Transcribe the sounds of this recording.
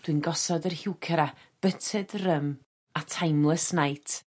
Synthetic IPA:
d̥wɨnɡɔsɔdərhɪwkʰəɾa | b̥ətʰɨdrəm | atʰajmlˠəsnajtʰ

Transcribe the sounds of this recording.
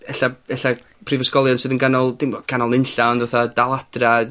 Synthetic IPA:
ɛɬavɛɬa | pʰrivəskɔlˠjɔnsɨːðənɡanɔlˠd̥ɪmbɔɡ̥anɔlˠɪnɬaɔnðaθadalˠadra

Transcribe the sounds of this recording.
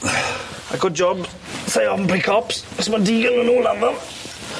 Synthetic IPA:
aɪɡʊd̚d͡ʒɔb | seɪɔvnbɹikʰɔpsɪsmədiːɡənənuːlˠanðəm

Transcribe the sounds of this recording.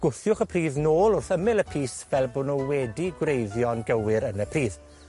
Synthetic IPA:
ɡ̥ʊθjʊχəpʰriːðnoːlˠʊrθəmɪlˠəpʰiːsvɛlˠboːnɔwɛdiɡwrejðjɔnɡəwɪɾənəpʰr̥iːð

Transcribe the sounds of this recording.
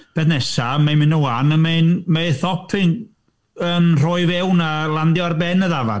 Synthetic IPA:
b̥ɛθnɛsamejmɪnəwanəmenmeθɔpʰɪn | ənr̥oɨvɛwnalˠandjɔrbɛnəðava̰

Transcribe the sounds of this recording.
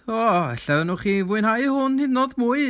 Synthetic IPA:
ɔɛ̰ɬɛnuːχivʊɨnhajhʊnhidnoːdmuɨ

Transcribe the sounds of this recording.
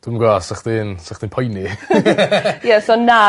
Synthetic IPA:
d̥uməɡasaχd̥̪iːnsaχd̥iːnpʰɔjni | jɛsona

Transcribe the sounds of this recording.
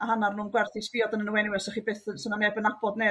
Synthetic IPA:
aɦanarnuːnɡwɛrθɪsviːɔdanənəwɛnɪwɛsɔχiːbeːθəsənanɛbənabɔdne

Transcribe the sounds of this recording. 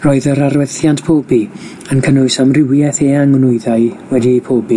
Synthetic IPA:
roːɨðəɾarwɛθjantpʰoːbi | ənkʰənʊɨsamrɪwjɛθeaŋnʊɨðaɨwɛdipʰoːbi

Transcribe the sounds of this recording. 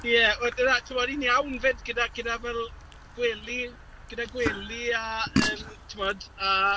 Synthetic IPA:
jɛodənatʰɪmɔdiniawnvɛdɡədaɡ̥ədavɛlˠ | ɡ̥wɛlˠi | ɡ̥ədaɡwɛlˠiaəːmtʰɪmɔda

